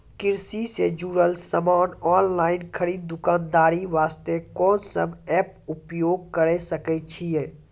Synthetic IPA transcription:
kɪɾsised͡ʒuːɾəlsəmaːnɔːnlaːɪnkʰəɾiːd̪̚ːʊkãːnd̪aːɾiʋaːst̪ekɔːnsə̰bɛːpʊpjoːɡ̚kəɾesəkɛt͡ʃʰijɛ̃ː

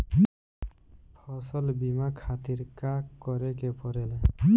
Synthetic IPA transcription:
pʰɔsɔlbimakʰat̪iɾkakːɔɾekepɔɾɛle

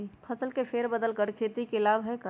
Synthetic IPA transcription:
pʰəsəlkepʰeːɾbəd̪əlkəɽkʰeːt̪ikɪlaːʋɦɛkə

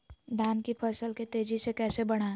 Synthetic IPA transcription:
d̪ʱaːnkipʰəɾsəlket̪eːd͡ʒisekɛːsebɐɽ̃aː

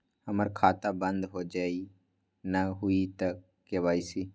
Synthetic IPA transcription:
həməɾkʰaːt̪aːbə̃nd̪ɦoːd͡ʒaːiː | naɦʊit̪əkːeʋaːiːsiː

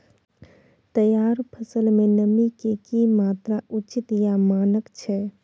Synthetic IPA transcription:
t̪əjaːɾpʰəsəlmenəmikekimaːt̪ɾaʔut͡ʃit̪jamaːnəkt͡ʃʰɛ

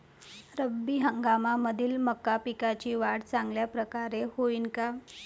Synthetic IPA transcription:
ɾəbːiːɦəŋɡamaməd̪ʱiːlməkːapikat͡ɕiːʋaɽt͡saŋɡljapɾəkaɾehoiːnka

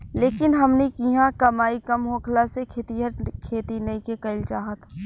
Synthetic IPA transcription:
leːkɪnɦɐmnekiɦãkɐmaːikɐmɦõːkʰlasekʰeːt̪iɦɐɾkʰeːt̪inɐĩkekɐɪlt͡ʃaːɦət̪ʰ

